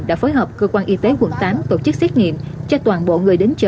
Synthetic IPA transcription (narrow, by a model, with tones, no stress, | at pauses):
ɗa̰ː˧˥foː˨˦jɦəː˨˩p̚kəː˧kwaː˧nʔi˧t̪e˨˦kwə˨˧˩nt̪aː˨˦mt̪o˧˩t͡ɕɨ˦˥k̚sɛ˦˥t̚ŋḭ˧˨mt͡ɕɔ˧t̪waː˨˩nɓo̰˧˨ŋɨ˨˩əjɗe˨˦nt͡ɕə˨˧˦